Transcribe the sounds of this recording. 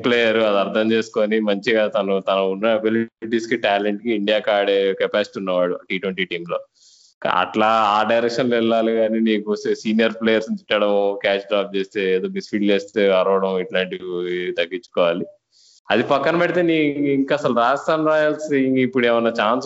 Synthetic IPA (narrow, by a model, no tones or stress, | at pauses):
pleːjɐɾuɐd̪iɐɾt̪ʰɐmt͡ʃe̞ːsu̥koːnimɐɲt͡ʃiɡaːt̪ɐnut̪ɐnɐunːɐɐbiliʈiːskiʈaːleɳʈkiːɳɖijaːkaːɽekɛpaːsi̥ʈiːunːɐʋaːɽuʈiːʈwʋɐɳʈiːʈiːmlo̞ː | ka̰ɐ̰ʈlaːaːɖɐjɾɛkʂɐnloilːaːluɡaːniːniːkust̪eːsiːnijɐɾpleːjɐɾsnit̪iʈːɐɽɐmkaːt͡ʃɖɾaːp̚t͡ʃe̞ːst̪e̞ːeːd̪oːmisfiːlt͡ʃeːst̪e̞ːɐɾɐʋɐɽɐmiʈlaːɳʈit̪ɐɡːit͡ʃːu̥kɔːʋaːli | ɐd̪ipɐkːɐnɐpeʈit̪eːniːiŋkɐsɐluɾaːd͡ʒd̪ʱaːnɾaːjalsiŋɡipːuɽeːʋɐnːɐt͡ʃaːns